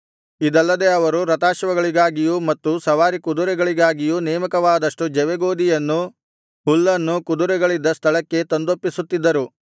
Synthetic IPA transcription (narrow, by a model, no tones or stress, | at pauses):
id̪ɐlːɐd̪e̞ɐʋɐɾuɾɐt̪aːʃʋɐɡɐɭiɡaːɡijumɐt̪ːusɐʋaːɾikud̪uɾɛɡɐɭiɡaːɡijunɛːmɐkɐʋaːd̪ɐʂʈud͡ʒɛʋeɡoːd̪ijɐnːu | ɦulːɐnːukud̪uɾɛɡɐɭid̪ːɐst̪ʰɐɭɐkːe̞t̪ond̪opːisut̪ːid̪ːɐɾu